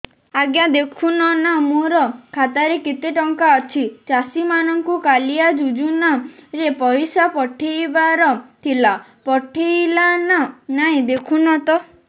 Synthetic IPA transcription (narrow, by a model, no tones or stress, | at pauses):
aɡjad̪ekʰunɔnamoɾɔkʰat̪aɾekit̪eʈɔŋkaɔt͡ʃʰit͡ʃasimanɔŋkukalijad͡ʒud͡ʒunaɾepɔjsapɔʈʰijbaɾɔt̪ʰilapɔʈʰilananaĩd̪ekʰunɔt̪ɔ